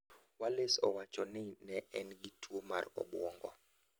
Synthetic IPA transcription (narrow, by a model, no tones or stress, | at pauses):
walesɔwat͡ʃɔnɪnɛʔɛnɡitwoma̰rɔ̰ɓwɔŋɡɔ̰